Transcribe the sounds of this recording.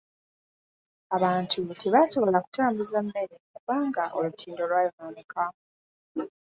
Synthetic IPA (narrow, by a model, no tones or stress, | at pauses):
aβaːntʰutʰeβaso̞βo̞laku̥taːmbuzamːe̞ɾekuβaːŋɡaʔo̞lutʰiːndo̞lwaːjonoːnekʰa